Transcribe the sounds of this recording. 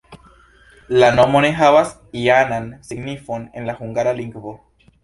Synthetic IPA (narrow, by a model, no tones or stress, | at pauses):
lanomonexaβas | ianansiɡnifonḛnlaxuŋɡaɾaliŋɡβo